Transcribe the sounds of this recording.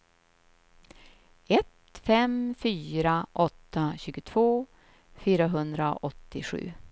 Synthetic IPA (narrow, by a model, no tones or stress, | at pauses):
ɛt̪fɛmfyːɾaʔɔt̪ːaɕʉ̟ːɡʊt̪ʰv̥oː | fyːɾaɦɵnd̪ɾa̰ʔɔt̪ːɪɧʉ̟̰ː